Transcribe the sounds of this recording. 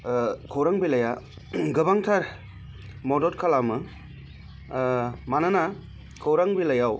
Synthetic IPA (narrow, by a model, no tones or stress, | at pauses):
kʰowɾaŋbilɐja | ɡɯbaŋtʰaɾ | mɔdɔt̚kʰalamɯ | manana | kʰɔwɾaŋbilajaw